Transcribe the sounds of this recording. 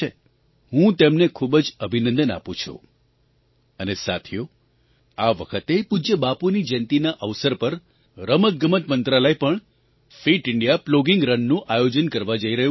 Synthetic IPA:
e | ɦũt̪emnekʰubəd͡ʒəbʱinə̃nd̪əna̰pũt͡ʃʰṵ | ənesat̪ʰjo | aʋə̰kʰət̪epud͡ʒəbapunid͡ʒɛ̃nt̪inaʔəʋsəɾpəɾ | ɾəmət̪̚ɡəmət̪mənt̪ɾaləjpəɳ | fiʈɪɳɖijaploɡɪŋɡɾənːũʔajod͡ʒənkəɾʋad͡ʒəiɾəɦũ

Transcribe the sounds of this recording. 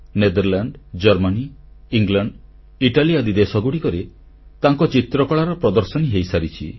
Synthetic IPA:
ned̪ɔɾlaɳɖd͡ʒɔɾmani | iŋɡlaɳɖ | iʈaliad̪id̪esɔɡuɽikɔɾe | t̪aŋkɔt͡ʃit̪ɾɔkɔɭaɾɔpɾɔd̪ɔɾsɔniɦejsaɾit͡ʃʰḭ

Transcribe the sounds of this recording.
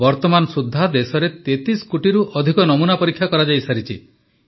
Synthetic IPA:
ɔɾt̪ɔmanɔsud̪ʱːad̪esɔɾet̪et̪iskuʈiɾuʔɔd̪ʱikɔnɔmunapɔɾikʰjakɔɾad͡ʒajsaɾit͡ʃʰḭ

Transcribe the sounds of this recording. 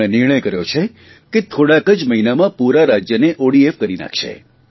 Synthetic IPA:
ẽnɪɾɳ̃əjkəɾjot͡ʃʰe | ket̪ʰoɽakəd͡ʒməɦinamãpuɾaɾad͡ʒjəneʔoɽiefkəɾina̰kʰʃḛ

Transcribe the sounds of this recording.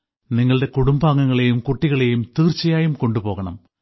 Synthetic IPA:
niŋːɐɭɽe̞kuɽumbaːŋːɐŋːɐɭe̞jumkuʈːiɣɐɭe̞jumt̪iːrt͡ɕːɐjaːjumko̞ɳɖupo̞ːɣɐɳɐ̰m

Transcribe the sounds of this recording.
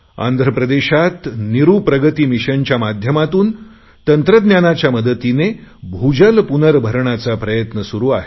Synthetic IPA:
a̰nd̪ʱɾəpɾəd̪eɕat̪niɾupɾəɡət̪iːmiɕənt͡ɕjamad̪ʱjəmat̪uːn | t̪ənt̪ɾəd̪njanat͡ɕjaməd̪ət̪inebʱud͡ʑəlpunəɾbʱəɾɳat͡sapɾəjət̪nəsuɾuːaɦe

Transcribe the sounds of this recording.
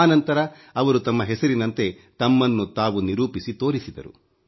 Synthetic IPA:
nɐnt̪ɐɾɐ | ɐʋɐɾut̪ɐmːɐɦɛsɐɾinɐnt̪e̞ | t̪ɐmːɐnːut̪aːʋuniɾuːpisit̪o̞ːɾisid̪ɐ̰ɾṵ

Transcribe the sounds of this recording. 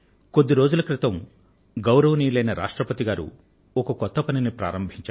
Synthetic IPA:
kod̪ːiɾo̞ːd͡ʒulɐkɾit̪ɐm | ɡɐwɾɐʋɐniːlɐjnɐɾʔa̰ːʂʈɾɐpɐt̪iɡaːɾṵ | ɔkɐkɔt̪ːɐpɐninipɾa̰ːɾɐmbʱiɲt͡ʃaː

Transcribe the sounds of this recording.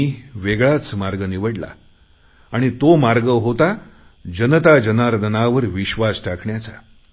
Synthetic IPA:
iʋeɡɭat͡smaɾɡəniʋəɽla̰ː | ɽ̃it̪omaɾɡəɦot̪a | d͡ʑənət̪ad͡ʑənaɾd̪ənaʋəɾʋiɕʋasʈakʰɳjat͡sa

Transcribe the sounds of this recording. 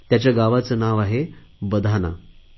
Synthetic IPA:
t̪jat͡ɕjaɡaʋat͡sənaʋaɦe | bəd̪ʱana̰

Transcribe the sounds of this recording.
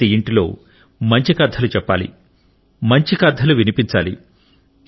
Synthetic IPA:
iiɳʈilo̞̰ː | mɐɲt͡ʃikɐd̪ʱːɐlut͡ʃɛpːa̰ːlḭ | mɐɲt͡ʃikɐd̪ʱːɐluʋinipiɲt͡ʃa̰ːlḭ

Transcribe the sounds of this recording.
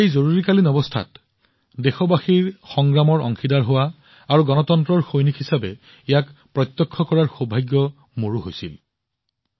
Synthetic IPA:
ejzoɹuɹikalinɔbɔstʰa̰t | dexɔbaxiɹxɔŋɡɹamɔɹɔ̰ŋxidaɹɦowa | aɹuɡɔnɔtɔntɹɔɹxojnikhisabɛ | ejakpɹɔjt̪ːɔkʰːɔkɔɹaɹxobʱajɡjɔ | moɹuɦojsḭl

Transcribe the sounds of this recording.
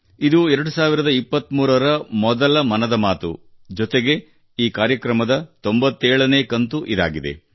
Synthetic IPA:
id̪uɛɾɐɽusaːʋiɾɐd̪ɐipːɐt̪ːmuːɾɐɾɐmɔd̪ɐlɐmɐnɐd̪ɐmaːt̪ṵ | d͡ʒɔt̪eɡe̞ | iːkaːɾjɐkɾɐmɐd̪ɐt̪o̞mbɐt̪ːeːɭɐneːkɐnt̪uʔid̪a̰ːɡid̪e̞̰

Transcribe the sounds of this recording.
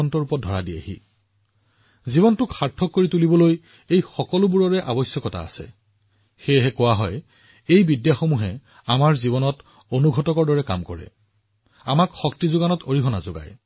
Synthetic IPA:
ɔntɔɹupɔdʱɔɹadia̰ɦḭ | zibɔntʊkxaɹtʰːɔkːoɹitulibɔloj | ejxɔkɔlʊbuɹɔɹɛʔabɔsjɔkɔta̰a̰sɛ̰ | xeɦɛkʊwaɦɔj | ejbidjaxomuɦɛ | amaɹzibɔnɔt | onuɡʱɔtɔkɔɹdɔɹɛka̰mkɔɹɛ̰ | amakxɔk̚tizʊɡanɔtʰoɹiɦɔna̰zoɡa̰j

